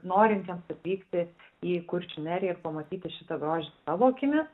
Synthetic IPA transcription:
noːɾʲɪnʲt̪ʲiɛmsɐt̪ʲʋʲiːkt̪ʲɪiːkʊɾʲt͡ʃʲʊnʲæɾʲjɛɪrpɐmɐt̪ʲiːt̪ʲɪʃʲɪt̪ɐɡɾoːʒʲɪsɑʋoːkʲɪmʲɪs

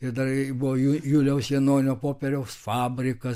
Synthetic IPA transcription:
ɪd̪ɐrbʊʋoːjujuːlʲɛʊsʋʲiɛnoːnʲoːpoːpʲɛɾʲɛʊsfɑːbʲɾʲɪkɐ

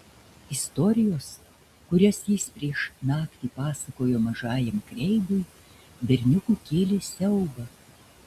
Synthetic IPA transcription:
ɪst̪ɔɾʲɪjoːs | kʊɾʲɛsjɪspʲɾʲiɛʃnɑːkt̪ʲiːpɑːsɐkoːjoːmɐʒɑːjɛmkɾʲɛɪd̪ʊj | bʲɛɾʲnʲʊkuːkʲeːlʲɪsʲɛʊɡɐ

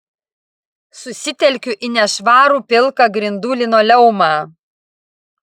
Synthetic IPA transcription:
sʊsʲɪt̪ʲɛlʲkʲʊʔɪnʲɛʃʋɑːɾuːpʲɪlˠkɐɡɾʲɪnd̪uːlʲɪnoːlʲɛʊmɑː

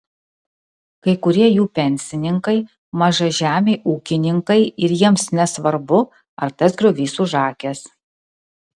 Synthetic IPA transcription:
kɐɪkʊɾʲiɛjuːpʲɛnʲsʲɪnʲɪŋkɐɪ | mɐʒɐʒʲæːmʲeɪʔuːkʲɪnʲɪŋkɐɪɪɾjiɛmsnʲɛsʋɐɾbʊ | ɐɾt̪ɐsɡɾʲʊʋʲiːsuːʒɑːkʲɛs

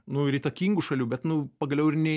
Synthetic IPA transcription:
nʊɪɾiːt̪ɐkʲiːŋɡuʃɐlʲuːbʲɛt̪nʊpɐɡɐlʲɛʊɪɾnʲɛ

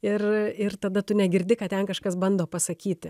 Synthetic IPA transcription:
ɪrɪrt̪ɐd̪ɐt̪ʊnʲɛɡʲɪɾʲd̪ʲɪkɐt̪ʲɛnkɐʃkɐsbɐnd̪oːpɐsɐkʲiːt̪ʲɪ

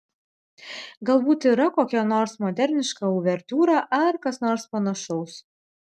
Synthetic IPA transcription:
ɡɐlˠbuːt̪iːɾɐkoːkʲɛnoːɾsmɔːd̪ʲɛɾʲnʲɪʃkɐʊʋʲɛɾʲt̪uːɾɑːʔɐɾkɐsnoːɾspɐnɐʃɔʊs

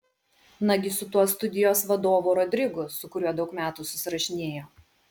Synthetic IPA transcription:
nɐɡʲɪsʊt̪uɔst̪ʊd̪ʲɪjoːsʋɐd̪oːʋuɾɔd̪ʲɾʲɪɡʊsʊkʊɾʲuɔd̪ɒʊkmʲæːt̪uːsʊsʲɪɾɐʃʲɪnʲeːjoː

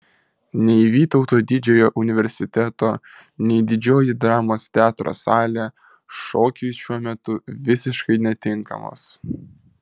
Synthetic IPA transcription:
nʲɛɪʋʲiːt̪ɒʊt̪oːd̪ʲɪd͡ʒʲɛjoːʔʊnʲɪʋʲɛɾʲsʲɪt̪ʲɛt̪oː | nʲɛɪd̪ʲɪd͡ʒʲoːjɪd̪ɾɑːmoːst̪ʲæːt̪ɾo̰ːsɑːlʲe | ʃoːkʲʊjʃʲuɔmʲɛt̪ʊʋʲɪsʲɪʃkɐɪnʲɛt̪ʲɪŋkɐ̰mo̰ːs

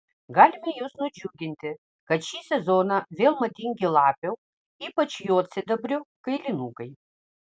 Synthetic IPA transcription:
ɡɑːlʲɪmʲɛjʊsnʊd͡ʒʲuːɡʲɪnʲt̪ʲɪ | kɐt̪ʃʲiːsʲɛzoːnɐʋʲeːlˠmɐt̪ʲɪŋʲɡʲɪlˠɑːpʲɛw | iːpɐt͡ʃjoːt̪sʲɪd̪ɐbʲɾʲʊkɐɪlʲɪnuːkɐɪ

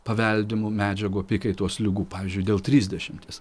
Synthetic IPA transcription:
pɐʋʲɛlʲd̪ʲɪmʊmʲæːd͡ʒʲɛɡoːpʲɪkʲɐɪt̪oɔslʲɪɡuːpɑːʋʲɪːzʲd͡ʒʲʊɪd̪ʲeːlˠt̪ʲɾʲiːzʲd̪ʲɛʃʲɪmʲt̪ʲiːs

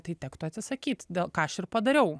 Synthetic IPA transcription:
t̪ɐɪt̪ʲæːkt̪ʊɐt̪sʲɪsɐkʲiːt̪d̪ʲeːlˠkɑːɐʃɪrpɐd̪ɐɾʲɛʊ

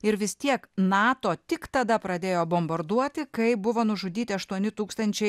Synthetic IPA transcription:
ɪɾʋʲɪst̪ʲiɛknɑːt̪oːt̪ʲɪkt̪ɐd̪ɐpɾɐd̪ʲeːjoːbombɐɾd̪uɔt̪ʲɪkɐɪbʊʋoːnʊʒʊd̪ʲiːt̪ʲɪɐʃt̪uɔnʲɪt̪uːkst̪ɐnʲt͡ʃʲɛɪ

